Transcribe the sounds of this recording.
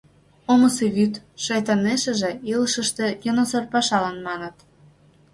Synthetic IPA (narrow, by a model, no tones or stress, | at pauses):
oməseβyt̪ʃɑjt̪ɑneʃə̆ʒĕiləʃəʃt̪e̽jonosorpɑʃɑlɑnmɑnə̆t̪